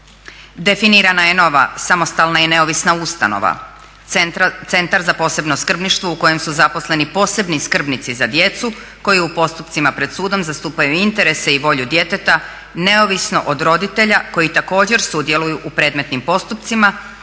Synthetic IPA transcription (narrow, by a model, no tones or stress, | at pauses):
d̪e̞finiɾanajeno̞ʋa̰samo̞st̪alnajene̞o̞ʋisnaust̪a̰no̰ʋa̰ | t̪se̞nt̪aɾzapo̞se̞bno̞skr̩bniʃt̪ʋouko̞je̞msuzapo̞sle̞nipo̞ːse̞bniskr̩bnit̪sizad̪je̞t̪su | ko̞jiupo̞st̪upt̪simapɾe̞d̪suːd̪o̞mzast̪uːpajuint̪e̞ɾe̞seiʋo̞ʎud̪je̞t̪e̞t̪a | ne̞o̞ʋisno̞ʔod̪ɾo̞d̪it̪e̞ʎako̞jit̪ako̞ːd͡ʑe̞ɾsud̪je̞lˠujuʔupɾe̞ːd̪me̞t̪nimpo̞st̪upt̪sima